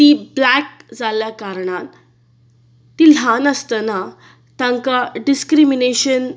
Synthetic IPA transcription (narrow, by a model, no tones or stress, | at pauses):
t̪iblɛk̚d͡zaljakaɾɳ̃at̪ | t̪iːl̤anəst̪əna | t̪ãŋkaɖiskɾimineɕən